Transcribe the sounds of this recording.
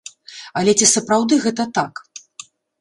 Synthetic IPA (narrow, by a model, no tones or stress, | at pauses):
ɐlʲɛt͡sʲisɐpɾawd̪ɨɣɛt̪ɐt̪ak